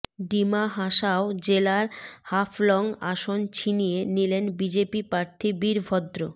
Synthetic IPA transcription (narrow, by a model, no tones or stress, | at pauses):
ɖimaɦaʃaod͡ʑelaɾhafʰlɔŋa̰ʃont͡ɕʰinijenilenbid͡ʑepipɾaɾt̪ʰibiɾbʱɔd̪ɾo